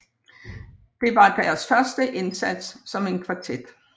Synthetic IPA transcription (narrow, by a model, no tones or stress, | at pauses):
d̥e̝ʋɑ̈d̥æːɐsfɶɐsd̥əʔe̝nsæd̥sːɒ̽me̝nkʰʋɑ̈t͡sʰed̥